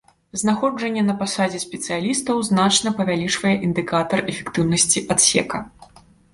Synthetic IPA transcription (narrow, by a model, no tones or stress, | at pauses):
znaxɔd͡ʐɐnʲːɛnɐpasad͡zʲɛsʲpʲɛt̪sɨjalʲist̪ɐwznat͡ʂnɐpɐvʲalʲit͡ʂvɐjɛʔind̪ɨkat̪ɐrɛfʲɛ̥kt̪ɨwnɐsʲt͡sʲiʔat̪sʲɛ̰kɐ